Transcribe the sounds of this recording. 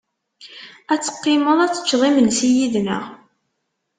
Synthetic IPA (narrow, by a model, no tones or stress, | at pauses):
æt͡sːə̥qːɪməðˤæt͡sːə̥t͡ʃːðˤimənsijiðnə̰ʁ